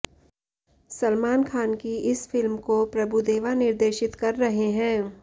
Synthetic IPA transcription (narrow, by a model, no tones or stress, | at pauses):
sɐlmaːnkʰaːnkiɪsfɪlmkopɾɐbʱud̪eːʋanɪɾd̪eːʃɪt̪kɐɾːɐɦeɦɛ̃ː